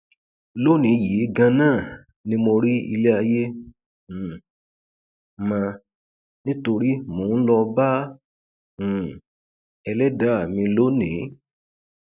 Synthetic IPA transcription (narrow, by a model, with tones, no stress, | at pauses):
lo˦nĩ˨˦ji˨˦ɡã˧nãː˦˨ | nĩ˦mo˧ɾi˦ḭ˧le˦a˧jẽ˦˨ | mã˧ | nĩ˦to˧ɾi˦mõː˨˦lɔ˧ba˦˨ | ɛ˧lɛ˦da˦˨mĩ˧lo˦nĩ˨˦